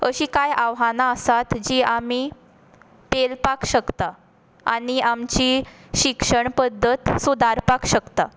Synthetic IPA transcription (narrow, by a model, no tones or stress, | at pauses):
əɕiːkajaʋɦanaəsat̪d͡ʑiːami | pelpakɕəkt̪a | a̰ɽ̃iʔamt͡ɕiɕikʂəɳpəd̪ʱːət̪sud̪ʱaɾpakɕəkt̪a